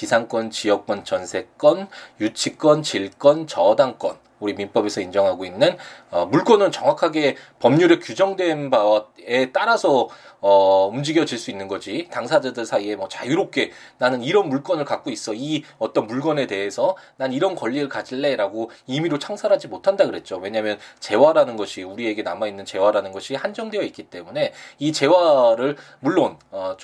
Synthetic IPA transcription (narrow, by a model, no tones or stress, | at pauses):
kisʰaŋk͈wʌnt͡ɕijʌk̚k͈wʌnt͡ɕʌnsʰe̞k̚k͈ʌnjut͡ɕʰik͈wʌnt͡ɕiɭk͈ʌnt͡ɕʌdaŋk͈ʌn | uɾiminp͈ʌbe̞sʰʌind͡ʑʌŋɦaɡoinːɯnʌmuɭk͈ʌnɯnt͡ɕʌŋwakʰaɡe̞pʌmɲuɾekjud͡ʑʌŋdwe̞nbae̞t͈aɾasʰʌʌumd͡ʑiɡjʌd͡ʑiɭs͈uinːɯnɡʌd͡ʑitaŋsʰad͡ʑadɯɭsʰaie̞mwʌt͡ɕajuɾop̚k͈e̞nanɯniɾʌnmuɭk͈ʌnɯɭkak͈ois͈ʌiʌt͈ʌnmuɭɡʌne̞de̞ɦesʰʌnaniɾʌnkʌʎːiɾɯɭkad͡ʑiɭːe̞ɾaɡoimiɾot͡ɕʰaŋsʰaɾɦad͡ʑimotʰandaɡɯɾe̞t̚t͡ɕ͈owe̞ɲamjʌnt͡ɕe̞waɾanɯnɡʌɕʰiuɾie̞ɡe̞namainːɯnt͡ɕe̞waɾanɯnɡʌɕʰihand͡ʑʌŋde̞jʌit̚k͈it͈e̞mune̞it͡ɕe̞waɾɯɭ | muɭːonʌ